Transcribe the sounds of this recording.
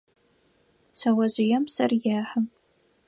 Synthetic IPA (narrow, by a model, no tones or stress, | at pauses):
ɕɐwɐʑɪjɛmsɐrjaːħam